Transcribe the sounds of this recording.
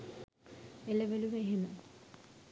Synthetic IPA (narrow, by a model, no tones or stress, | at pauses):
eləʋeluʋeɦemə